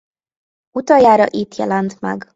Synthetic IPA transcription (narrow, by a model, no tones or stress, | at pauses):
ut̪ɒjaːɾɒʔit̪jɛ̰lɛnt̪mɛ̰ɡ